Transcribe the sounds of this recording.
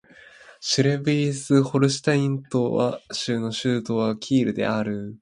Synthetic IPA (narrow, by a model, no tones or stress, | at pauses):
ɕiɾebiisɨho̞ɾɯ̟ɕi̥t̪aĩnt̪o̞βa̰ɕɨːno̞ɕɨːt̪o̞ːβakʲʰiːɾɯ̟d̪e̞̰aɾɯ̟